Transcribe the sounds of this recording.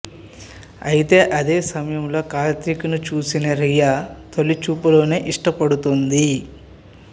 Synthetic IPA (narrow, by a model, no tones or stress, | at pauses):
ɐjit̪e̞ːʔɐd̪e̞ːsɐmɐjɐmlo̞ːkaːlt̪ɾikunut͡ʃuːsinɐɾijaːt̪olːit͡ʃuːpulo̞ːne̞ːʔiʂʈɐpɐɽut̪ond̪i